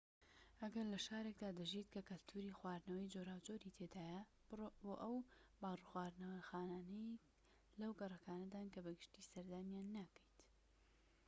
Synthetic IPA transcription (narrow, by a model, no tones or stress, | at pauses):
ʔɐɡɐɾlɐʃaːɾe̞kd̪aːd̪ɨʒiːt̪kʰɐkɐlt̪ʰuːɾixwaːɾnɐwɐjd͡ʒoːɾaːwd͡ʒoːɾiːt̪ʰeːd̪aːjɐ | boːʔɐwbaːruxwaːɾnɐwɐxaːnaːnɐj | lɐwɡɐrˤɐkaːnɐd̪aːnkɐbɐɡɨʃt̪iːsɐɾd̪aːnjaːnːakʰə̥jt̪